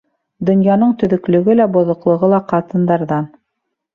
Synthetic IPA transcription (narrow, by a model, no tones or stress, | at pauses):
d̪ŏnjɑnɤɴt̪ɵ̆ðɵ̆klɵ̆ɡɘlæbŏðŏqlˠɤ̆ʁɤlˠɑqɑt̪ɤ̆nd̪ɑɾðɑn